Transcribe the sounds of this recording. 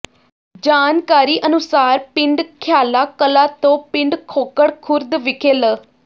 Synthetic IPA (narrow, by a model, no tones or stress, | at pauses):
d͡ʒaːnkaːɾiːʔənʊsaːɾpɪ̃ɳɖkʰjaːlaːkəlaːt̪õːpɪ̃ɳɖkʰoːkəɽkʰʊɾd̪ʋɪkʰeːlə